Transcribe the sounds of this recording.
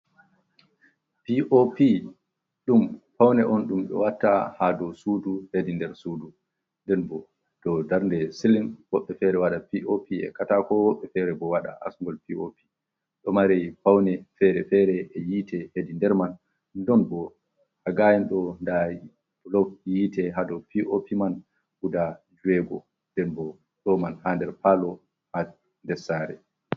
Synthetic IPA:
piʔopi | ɗumpawnɛʔɔnɗumɗɔ̰watːahadɔsuduhedindɛɾsudu | ndɛnbɔ | d̥ɔdaɾndɛsilinwɔɓːɛfɛɾɛwaɗapiʔopiɛ̰katakɔwɔɓːɛfɛɾɛbɔwaɗa̰ʔa̰sŋɡɔlpiopi̥ | ɗɔmaɾɛjpawnɛfɛɾɛfɛɾɛɛjitʰɛhedindɛɾman | dɔnbɔ | haɡajinɗɔnda | lɔk̚jiːtɛɦadɔpiʔopiman | hudad͡ʒuɛɡɔ | ndɛnbɔ | ɗɔmanhandɛɾpalɔ | ha | ndɛsaɾɛ̰

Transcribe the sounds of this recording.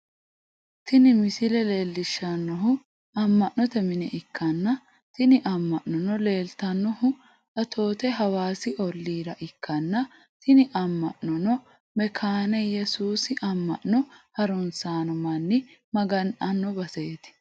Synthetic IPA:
t̪ɪnɪmɪsɪlɛle̞ːlːɪʃːɐnːɔɦʊ | ɐmːɐʔnɔt̪ɛmɪnɛʔɪkːɐnːɐ | t̪ɪnɪʔɐmːɐʔnɔnɔle̞ːlt̪ɐnːɔhʊ | ɐt̪ʰo̞ːt̪ɛɦɐwaːsɪɔlːiːɾɐʔɪkːɐnːɐ | t̪ɪnɪʔɐmːɐʔnɔnɔ | mɛkʰaːnɛjɛsuːsɪʔɐmːɐ̰ʔnɔhɐɾʊnsaːnɔmɐnːɪmɐɡɐnʔɐnːɔbɐseːt̪ɪ̥

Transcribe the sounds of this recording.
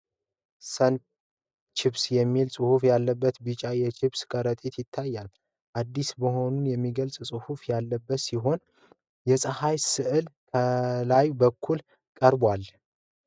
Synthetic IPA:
sən | t͡ʃʰɪβsjɛmːilsʼɨhufjalːəbːət̪bɨt͡ʃʼajɛt͡ʃʰɪβskʼəɾət̪ʼet̪jɪt̪ʰːajːal | ʔad̪ːisbəho̞nunjɛmːiɡəlsʼsʼɨhufjalːəbːət̪siɦo̞n | jɛsʼəhajsɨʔɨlkʰəlajbəkʰːul | kʼəɾbwal

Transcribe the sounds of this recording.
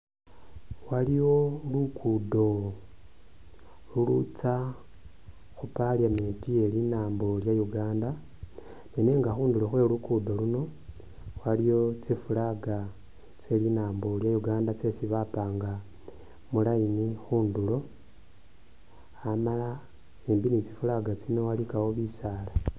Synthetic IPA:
waliwo̞lukʰudo̞ | lulut͡sa | xupaljametie̞linaːmbo̞ljajuɡaːnda | nene̞ŋɡaxuːndulo̞xwe̞lukudo̞luno̞ | walijo̞t͡sifulaɡa | t͡se̞linaːmbo̞ljajuɡaːndat͡se̞siβapaːŋɡa | mulajinixuːndulo̞ | amala | embinit͡sifulaɡat͡sine̞walikawoβisaːla

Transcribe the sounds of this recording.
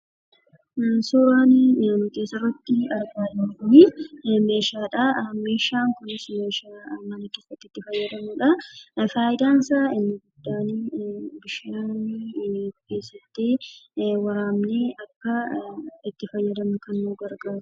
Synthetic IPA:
suːɾaːnnʊk̪eːsɐrːɐt̪ːɪɐɾɡaːɾɐnnɪme̞ːʃaːᶑɐme̞ːʃaːŋkʊnɪsmeːʃaːmɐnɐke̞ːsɐt̪ːɪt̪ːɪfɐjːɐd̪ɐmʊᶑɐfaːʔɪd̪aːnsaːɪnːɐɡʊd̪̥ːaːniːbɪʃaniːnɡʊkːeːsɐt̪ːeːwɐɾaːmneːʔɐkːɐɪt̪ːɪfɐjːɐd̪ɐmʊkɐnːuːɡɐɾɡaːɾʊ̥

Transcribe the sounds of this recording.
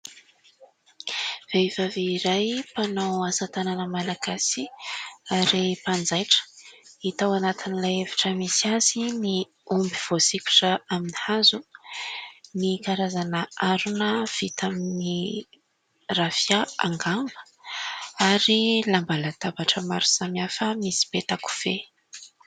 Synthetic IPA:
v̥evaviːɾajpanawasat̪ananəmalaɡasiaɾipand͡zajʈ͡ʂə̥it̪awanat̪inilajevi̥ʈ͡ʂəmisiazini | umbiv̥osikʲu̥ʈ͡ʂəaminihazu | nikaɾazanəʔaɾunəv̥it̪amini | ravjaa̰ŋɡambə̥ | aɾilambalat̪abaʈ͡ʂəmaɾu̥samiafəmisi̥bet̪aku̥v̥e

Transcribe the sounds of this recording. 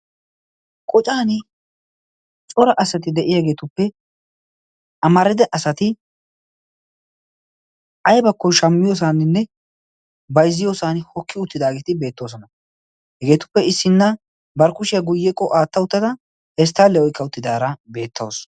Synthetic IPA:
kʼɔt͡ʃʼaːnɪ | t͡ʃʼɔɾɐʔɐsɐt̪ɪd̪ɛʔɪjaɡe̞ːt̪ʊpːɛ | ʔɐmɐɾɪd̪ɛʔɐsɐt̪ɪ | ʔɐjbɐkːɔʃɐmːɪjoːs̬aːnɪnːɛ | bɐjzːɪjoːsaːnhɔkʰːɪʊt̪ːɪd̪aːɡeːt̪ɪbe̞ːt̪ːo̞ːs̬ɔnɐ | hɛɡe̞ːt̪ʊ̥pːɛɪsːɪnːɐ | bɐɾkʊʃɪjɐɡʊjːɛkʼːɔʔaːt̪ːɐʊt̪ːɐd̪ɐ | hɛs̬t̪ːaːlːɛɔjkʰːɐʊt̪ːɪd̪aːɾɐbe̞ːt̪ʰːo̰ːs

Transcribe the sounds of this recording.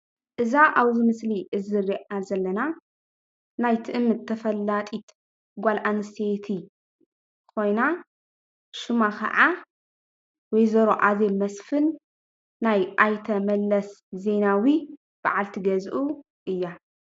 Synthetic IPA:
ʔɨzaʔaβzimɨsliʔɨzɨriʔazɐlːɐna | najt̪ʰɨʔɨmːɨt̪ʰːɐfɐlːat̪ʼit̪ | ɡʷalʔanɨset̪ʰi | kʰo̞jna | ʃumakʰɐ̰ʕa | wɔjzɐɾoʔazelmɐsfɨnː | ajʔajt̪ʰɐmɐlːɐsze̞nawi | b̥a̰ʕalt̪ʰiɡɐzʔu | ʔɨjːa

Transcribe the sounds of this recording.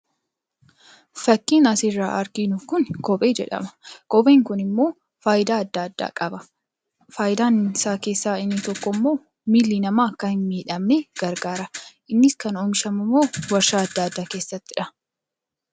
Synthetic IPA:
fɐkːiːnɐsɪrːa̰ːʔɐɾɡinʊfkʊnkɔpʼe̞ːd͡ʒɛᶑɐ̰mɐ̥kɔpʼe̞ːŋkʊnɪmːo̞ː | faːjɪd̪aːɐd̪ːaːd̪ːa̰ːkʼɐbɐ | faːjɪd̪aːnsaːke̞ːsːaːɪnːɪt̪ɔkːɔmːo̞ː | miːlːinɐmaːɐkːɐhɪnmiːᶑɐmnɛɡ̥ɐɾɡaːɾɐʔɪnːɪskɐnɔmʃɐmɐmoːwɐɾʃaːɐd̪ːaːɐd̪ːaːke̞ːsːɐt̪ːɪᶑɐ

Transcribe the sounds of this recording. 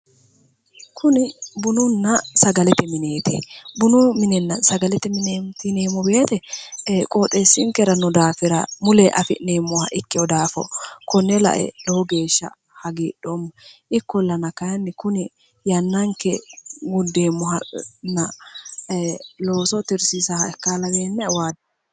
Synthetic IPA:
kʰʊnɪbʊnʊnːɐsɐɡɐlɛt̪ɪmɪneːt̪ɪ̰bʊnʊmɪnɛnːɐsɐɡɐlɛt̪ɪmɪneːmt̪ɪneːmɔbeːt̪ɛkʼoːt̪ʼeːsːɪŋkɛɾɐnɔd̪aːfɪɾɐ̰mʊlɛʔɐfɪ̰neːmːɔhɐ̰ʔɪkːɪɔd̪aːfɔ̰kɔnːɛlɐ̰ʔɛ̰loɡe̞ːʃːɐ̰ | hɐɡiːɗomːɐʔɪkːɔlːɐnɐkɐjɐnːɛkʊnɛ | jɐnːɐŋkɛɡʊd̪eːmːɔhɐnɐ | lo̞ːsɔt̪ɪɾsisɐhɐɛkːaːlɐbenːɛwaːd̪

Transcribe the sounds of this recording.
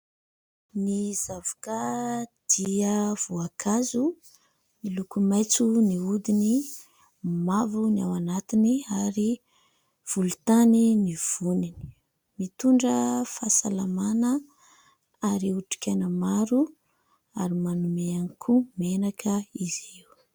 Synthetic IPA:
nizavḁkəd̪̥iəv̥uakʰazu | milukumajt͡suniud̪ini | mavuna̰wanat̪iniaɾi | v̥ulut̪aniniv̥unini̥ | mit̪uɳɖ͡ʐəfasalamanə | aɾiuʈ͡ʂi̥kʲanəmaɾu | aɾimanumeanikʰumenakʰəiziw

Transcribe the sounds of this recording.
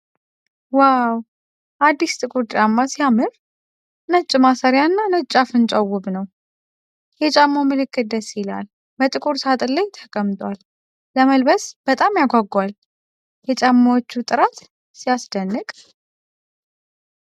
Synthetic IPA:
waw | ʔad̪ːist̪ʼɨkʼuɾt̪ʼt͡ʃʼamːasijamɨɾ | nət͡ʃʼːmasəɾjanːanət͡ʃʼːafɨnt͡ʃʼawːʊβnəw | jɛt͡ʃʼamːomɨlɨkʰːɨd̪əsila̰l | bət̪ʼɨkʼuɾsat̪ʼɨlːajt̪ʰəkʼəmt̪ʼwʷalː | əməlbəsb̥ət̪ʼamjaɡʷaɡwal | jɛt͡ʃʼamːawot͡ʃːut̪ʼɨɾat̪ | sijasd̪ənːɨkʼ

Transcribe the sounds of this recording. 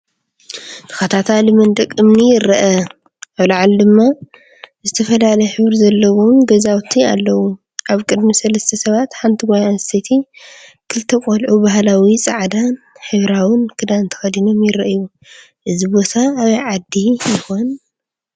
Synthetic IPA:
t̪ʰɨ̥xɐt̪ʰat̪ʰalmɐnd̪ɐkʼːɨmnijɪɾːɐʔɐ | aβlaʕald̪ɨmːa | zɨt̪ʰɐfɐlalɐjħɨβɾzɐlːɐwo̞mɡɐzawt̪ʰia̰lːɐwu | ʔaβkʼɨd̪misɐlɐst̪ʰɐsɐβat̪ħant̪ʰiɡajaset̪ʰikʰɨlt̪ʰɐkʼolʕubaɦlawisʼa̰ʕd̪an | ħɨβɾawɨnkʰɨd̪aɨnt̪ʰɐ̥xɐd̪ino̞mjɪɾɐʔju | ʔɨzibo̞t̪ʰaːβɐjʕad̪ijɪxo̞n

